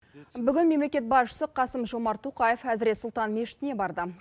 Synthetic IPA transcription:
bʏɡʲɪnme̞mlekʲe̞t̪̚bɑsʃə̥səqʰɑsəmʒo̞mɑɾt̪ʰuqɑjefæzɪɾesʊlˠt̪ɑnme̞ʃɪ̥t̪ɪne̞bɑɾd̪ə

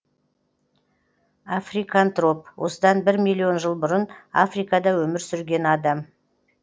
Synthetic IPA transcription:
afrijkɑnt̪ro̞p̚wʔo̞̰səd̪ɑnbɪɾmijlˠio̞nʒəlˠbʊɾəna̰frijkɑd̪ɑwɵmɪɾsʏɾɡʲe̞nɑd̪ɑm

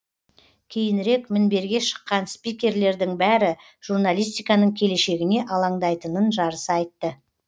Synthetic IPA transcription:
kʲʰe̞jɪnɪɾe̞kmɪnbe̞ɾɡʲe̞ʃə̥qːɑnspijkʲe̞ɾle̞ɾd̪ɪŋbæɾɪ | ʒ̥uɾnalʲˠijs̬t̪ijkɑnəɴkʲʰele̞ʃe̞ɡʲɪne̞ʔɑlˠɑɴd̪ɑjt̪ənənʒɑɾəsɑjt̪ːə

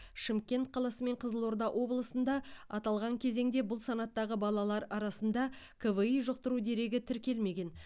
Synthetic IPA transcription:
ʃɪmkʲe̞nt̪̚qʰɑlˠɑsəme̞ɴqʰəzəlˠoɾd̪ɑʔwʔo̞blˠəsənd̪ɑɑt̪ɑlˠʁɑŋkʲʰe̞ze̞ŋd̪e̞bʊlˠsɑnɑt̪ːɑʁəbɑlˠɑlˠɑɾɑɾɑsənd̪ɑ | kʰəvəijʒoq̚t̪əɾud̪e̞ɾe̞ɡʲɪt̪ʰɪɾkʲe̞lme̞ɡʲe̞n

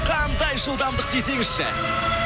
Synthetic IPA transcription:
qʰɑnd̪ɑjʒəlˠd̪ɑmd̪əq̚d̪e̞se̞ŋɪz̥ʃɪ̰

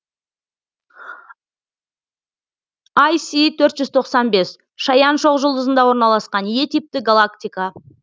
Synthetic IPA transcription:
ajsit̪ʰɵɾt̪ʒʏzt̪ʰo̞qsɑnbe̞s | ʃɑjɑnʃo̞qʒʊlˠd̪əzənd̪ɑwoɾnɑlˠɑsqɑnje̞t̪ijp̚t̪ɪɡalˠakt̪ijkɑ

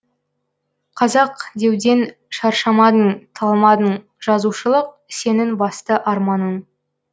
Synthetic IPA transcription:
qʰɑzɑqd̪e̞wd̪e̞n | ʃɑɾʃɑmɑd̪əɴt̪ʰɑlˠmɑd̪əɴ | ʒ̥ɑzuʃəlˠəq̚se̞nɪŋbɑst̪əʔɑɾmɑnəɴ

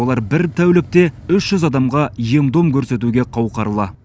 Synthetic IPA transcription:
olˠɑɾbɪɾt̪ʰæwlɪk̚t̪e̞ʏʃʒ̥ʏzɑd̪ɑmʁɑje̞md̪o̞mkʲʰɵɾse̞t̪uɡʲe̞qʰɑwqɑɾəlˠɑ

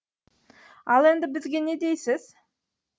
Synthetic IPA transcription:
ɑlˠe̞nd̪ɪbɪzɡʲe̞ne̞d̪e̞jsɪz̥

